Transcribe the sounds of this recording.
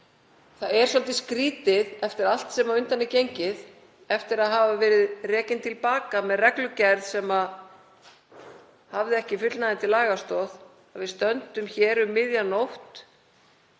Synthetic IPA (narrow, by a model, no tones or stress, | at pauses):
θaɛɾ̥sɔlt̪ɪskɾiːt̪ɪðɛft̪ɪɾal̥t̪sɛmaɾʏnt̪anːɪcejɲcɪð | ɛft̪ɪɾaðɦaːvavɛːɾɪðrɛːcɪnt̪ʰɪlpaːkamɛðrɛklʏcɛɾðsɛma | havðɪɛhcɪfʏt̪lnaðɪnt̪ɪlaːɣast̪ɔð | avɪðst̪œnt̪ʏmçɛːɾʏmːɪðjanowht̪